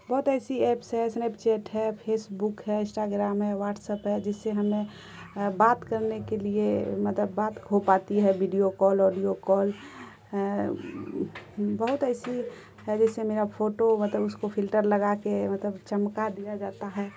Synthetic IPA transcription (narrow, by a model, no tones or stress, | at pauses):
bɐɦʊt̪ɛːsiɛːpsɦɛsnept͡ʃɛːʈɦɛpʰeːsbukɦɛɪ̃sʈaɡɾaːmɦɛwaːʈsəpɦɛd͡ʒɪsːeɦəmẽ | baːt̪kəɾnekeliemət̪ləbːaːt̪ɡʱopaːt̪iɦɛʋiɖijokɔːlɔːɖijokɔːl | bəɦʊt̪ɛːsi | ɦɛd͡ʒɛːsemeːɾapʰoːʈomɐt̪ləbʊskopʰɪlʈəɾləɡakemət̪ləbt͡ʃəmkad̪ijad͡ʒaːt̪aɦɛː